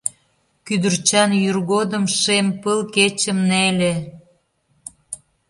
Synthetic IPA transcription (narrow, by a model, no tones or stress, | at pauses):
kyd̪ərt͡ɕɑnjyrɣod̪əmʃempəlket͡ɕəmnelʲe